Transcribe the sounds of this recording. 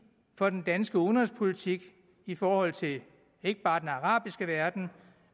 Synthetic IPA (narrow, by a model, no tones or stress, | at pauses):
fɒ̽d̥end̥ænsɡ̥əonʁəspʰo̝lit͡sʰiɡ̥ | ifɒːhɒ̽l̰t͡sʰe̝ | e̝ɡ̥əb̥ɑ̈ːdenɑʁɑ̰̈ːb̥isɡ̥əʋæɐd̥n̩